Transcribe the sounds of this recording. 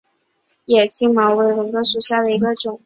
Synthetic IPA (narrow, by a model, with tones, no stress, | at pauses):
jɛ˨˩t͡ɕi˥ŋmɑ˧˥we˧˥˩ɪɻʊ˧˥ŋkɤ˧˥ʂu˨˩ɕja˥˩d̪ə˩i˧˥ɡə˧ʈ͡ʂʊ˨˩˦ŋ